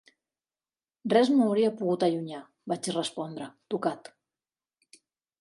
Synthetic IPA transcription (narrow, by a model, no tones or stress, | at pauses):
rrɛznoːwɾiapuɣut̪aʎuɲa | bat͡ʃirəspɔnd̪ɾət̪ukat̪